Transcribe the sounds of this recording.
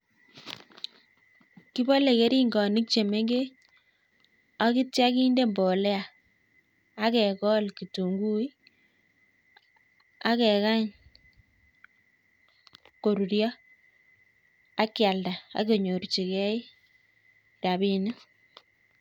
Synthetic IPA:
ki˦bo˦le˨ke˦ɾi˦ŋɡɔ˨nɪ˦k̚t͡ʃe˨me˦ŋɡe˦ | a˦ki˦tja˦ki˦nde˦mbo˨le˦a˨ | a˦kɛ˨kɔ˦lki˨to˨ŋɡu˦i˦ | a˦kɛ˨ka˦ɲ | ko˨ɾu˨ɾjɔ˦ | a˦kja˨lda˨a̰˨˦ke˨ɲo˨ɾt͡ʃi˨kɛ˦i˦ | ɾa˨bi˦nɪ˦

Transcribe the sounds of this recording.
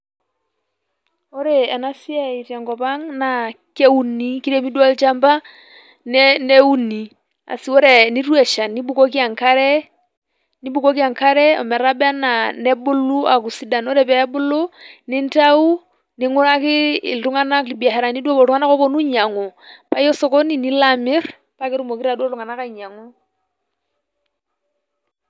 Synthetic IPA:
ɔ˦ɾɛ˨a˨na˦si˦a˦i˨ta˨ŋɡɔ˨pa˦ŋna˨ke˦u˦ni˦ki˦ɾɛ˦mi˦dwa˦lt͡ʃa˦mba˦ | nɛnɛ˦u˦ni˨ | a̰˨si˨˦ɔ˦ɾɛ˨ni˦ɾwɛ˨ʃa˨ni˦bu˨kɔ˦k̬i˦a˨ŋka˦ɾɛ˦ | ni˦bu˦˨kɔ˦ki˦a˨ŋka˦ɾɛ˦ɔ̰˨mɛ˨ɾa˦ba˦na˨nɛ˦bʊ˦lu˦a̰˨ku˨si˦da˨nɔ˦ɾɛ˦˨pɛ˨˦bʊ˦lo˦nɪ˦nta˦u˦ | nɪ˦ŋʊ˦ɾa˦kɪ̰˦˨ltu˦ŋa˦na˦kli˨bi˨a˨ɦɛ˨ɾa˨ni˦dwo˦bɔ˨ɾu˦ŋa˦na˦kɔ˦bɔ˦nu˦ɲa˨ŋɔ˨pa˦jɔ˦sɔ˨kɔ˦ni˨ni˦la˨mɪ˦ɾ | pa˦kɪ˦ɾu˦mo˨ki˦ɾa˨do˦lu˨ŋa˨na˦ka˦˨ɲa˨ŋɔ˦

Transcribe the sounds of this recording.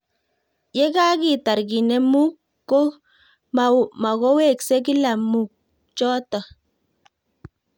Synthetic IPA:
jɛ˦ka˦ki˦˨ta˨ɾɡi˨nɛ˨mu˦kː | o˦ | mma˨ko˦we˦˨ksɛ˦k̬i˦la˨mu˨k̚ | t͡ʃɔ˦tɔ˨

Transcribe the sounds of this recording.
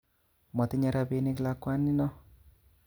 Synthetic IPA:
mɔ˨t̪i˦ɲa˦ɾa˧pe˦ni˦kla˦kwa˦nːi˦nɔ˦

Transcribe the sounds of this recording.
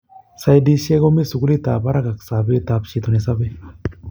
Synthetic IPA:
sa˨jd̪i˦se˦ɡo˦mi˦su˨ɡu˦li˦t̪aː˨ba˦ɾa˦ɡa˨ksa˨be˦t̪a˨pʃi˧t̪o˨nesabe

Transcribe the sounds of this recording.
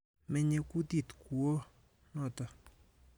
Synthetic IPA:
mɛ˦ɲe˦˨ku˦ti˦˨tku˨o˦ | nɔ˦˨tɔ˨

